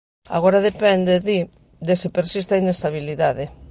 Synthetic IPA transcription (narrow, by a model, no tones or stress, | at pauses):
a̰ɣoɾaðepɛnd̪eði | d̪esɪpeɾsist̪ainest̪aβiliðaðe